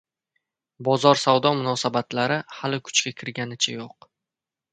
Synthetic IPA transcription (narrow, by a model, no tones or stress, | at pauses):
bɒzɒɾsawd̪ɒmʊnɒsabat̪laɾɪhalɪkʰʊ̥t͡ʃkʲakʲʰɪɾɡʲanɪt͡ʃʰajoq̚